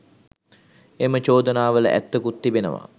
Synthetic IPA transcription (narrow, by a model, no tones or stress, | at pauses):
emət͡ʃoːd̪ənaːʋələ̰ʔæ̰t̪ːəkut̪ːibenə̰ʋa̰